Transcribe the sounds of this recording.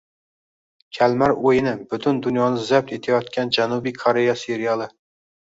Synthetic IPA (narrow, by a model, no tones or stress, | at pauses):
kʲʰælmæɾojɪnɪbʊt̪ʰʊnd̪ʊnjɒnɪzap̚t̪ʰet̪ʰajɒt̪kʲʰænd͡ʒænubijkʰoɾejɑseɾijɑlˠɨ